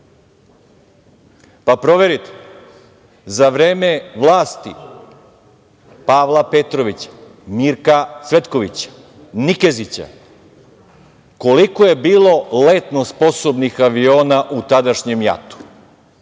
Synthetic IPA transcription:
papɾo̞ʋeɾit̪e̥ | zaʋɾeːme̞ʋlˠaːst̪i | paːʋlˠape̞t̪ɾo̞ʋit͡ɕḁ | miːɾkasʋe̞t̪ko̞ʋḭt͡ɕḁ | nike̞zit͡ɕa̰ | ko̞likoje̞biːlo̞le̞t̪no̞spo̞sobnixaʋio̞ːnaʔut̪ad̪aʃɲemja̰t̪u̥

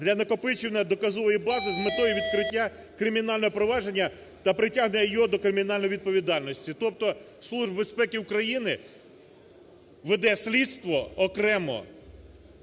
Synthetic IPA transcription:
d̪lʲɐnɐkɔpɪt͡ʃʲɪwnɛd̪ɔkɐzɔʋɔjibɑzɪzmɪt̪ɔjʊʋʲid̪̚kɾɪtʲːa | kɾɪmʲinɑlʲnɔɦɔpɾɔʋɑʒe̞nʲːɐ | t̪ɐpɾɪtʲaɦnenʲɐjjɔd̪ɔkɾɪmʲinɑlʲnɔjʋʲid̪̚pɔʋʲid̪ɑlʲnɔsʲtʲit̪ɔp̚t̪ɔ | slˠuʒbbe̞spɛkʲɪukɾɐjinɪ | ʋed̪ɛsʲlʲid̪st̪ʋɔɔkɾɛmɔ̰

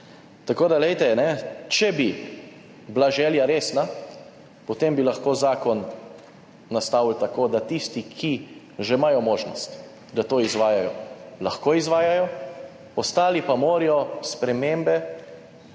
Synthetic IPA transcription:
t̪akoːd̪alɛjt̪ɛnɛt͡ʃɛbi | blaʒɛːljaɾeːsna | pɔt̪embilaxkoːzaːkɔnː | ast̪aːwlt̪akoːd̪at̪ist̪ikʰi | ʒɛmajɔmoːʒnɔst̪ | d̪at̪oːizʋaːjajɔlaxkoːizʋaːjajɔ | ɔst̪aːlipamoːɾijɔspɾɛmembɛ

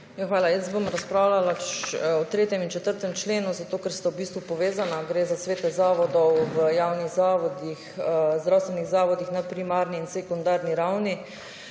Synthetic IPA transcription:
jaxʋaːlajəsbomɾaspɾaːwlalat͡ʃɔt̪ɾeːt̪jɛmint͡ʃɛt̪əɾt̪ɛmt͡ʃleːnuzat̪oːkɛɾst̪awbiːst̪ʋupɔʋeːzanaɡɾeːzasʋeːt̪ɛzaːʋɔd̪ɔwʋəjaːwniɣzaːʋɔd̪ixzd̪ɾawst̪ʋɛniɣzaːʋɔd̪ixnapɾimaːɾniːnsɛkund̪aːɾniɾawni

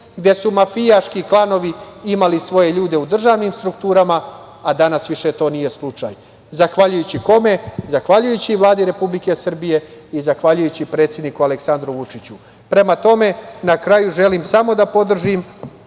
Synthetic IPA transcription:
ɡd̪e̞sumafijaʃkiklˠano̞ʋiimalisʋo̞je̞ʎuːd̪e̞ud̪r̩ʒaʋnimst̪ɾukt̪uːɾamaː | d̪anasʋiʃe̞t̪o̞ːnije̞slˠut͡ʂa̰j | zaxʋaʎujut͡ɕiko̞me̞zaxʋaʎujut͡ɕiʋlˠaːd̪iɾe̞publike̞sr̩bije̞izaxʋaʎujut͡ɕipɾe̞t̪sje̞d̪nikuale̞ksand̪ɾuʋut͡ʂit͡ɕu | pɾe̞mat̪o̞me̞nakɾajuʒe̞limsamo̞d̪apo̞d̪r̩ʒim

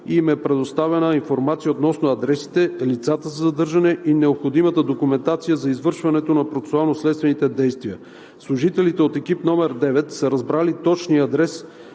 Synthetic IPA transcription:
imɛpɾɛd̪ost̪avɛnəinfoɾmat̪sijəot̪nɔsnoɐd̪ɾɛsi̥t̪ɛlit̪sat̪əzɐzɐd̪ɤɾʒɐnɛʔinɛopxod̪imət̪əd̪okumɛnt̪at̪sijəzɐizvɤɾʃvɐnɛt̪onɐpɾot̪sɛ̥sʊalˠnoslɛt̪st̪vɛnit̪ɛd̪ɛjst̪viə | slˠʊʒit̪ɛlit̪ɛot̪ɛkipnɔmɛɾd̪ɛvɛt̪səɾɐzbɾalit̪ɔt͡ʃniɐd̪ɾɛs

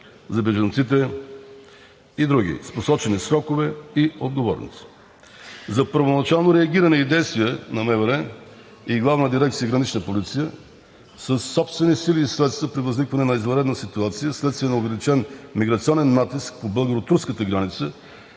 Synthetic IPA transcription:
zɐbɛʒɐnt̪sit̪̬ɛ | id̪ɾuɡ̟ḭsposɔt͡ʃɛnisɾɔkovɛiod̪̚ɡovɔ̰ɾno̰s | zɐpəɾvonɐt͡ʃalˠnoɾɛɐɡʲiɾənɛid̪ɛjst̪viɛnɐmɛvəɾɛ | iɡlˠavnəd̪iɾɛk̚t̪sijəɡɾɐnit͡ʃnəpolit̪sijə | səsːɔpst̪vɛnisiliːslɛt̪st̪vəpɾivɐznikvɐnɛnɐizvɐɾɛd̪nəsit̪uat̪sijəslɛt̪st̪viənɐovɛlit͡ʃɛnmiɡɾɐt̪siɔnɛnːat̪isk̚pobəlˠɡəɾot̪uɾskət̪əɡɾanit̪sə

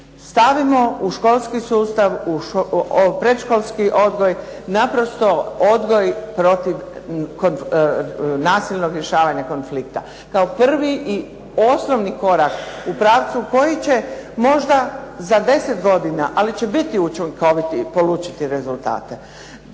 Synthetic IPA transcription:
st̪aʋimo̞uʃko̞lˠskisuːst̪aʋuʃpɾe̞d̪ʃkolˠskiʔo̞d̪ɡo̞j | napɾo̞st̪o̞od̪ɡo̞jpɾo̞t̪iʋkon | naːsilʲno̞ɡɾje̞ʃaːʋaɲako̞nflikt̪a̰ | kaopr̩ʋiʔi | o̞sno̞ʋniko̞ɾakupɾaːʋt̪suko̞jit͡ɕe̞mo̞ʒd̪azad̪e̞set̪ɡo̞d̪inaʔalit͡ɕe̞bit̪iut͡ʃiŋko̞ʋit̪ipo̞luːt͡ʃi̥t̪iɾe̞zult̪a̰ːt̪e̞

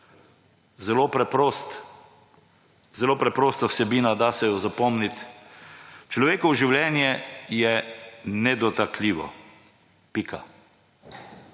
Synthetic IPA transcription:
zɛloːpɾɛpɾost̪ | zɛloːpɾɛpɾoːst̪awsɛbiːnad̪asɛjɔzapɔmnit̪ | t͡ʃlɔʋeːkɔwʒiwljɛnjɛjɛnɛd̪ɔt̪akliːʋɔ̰ | pika

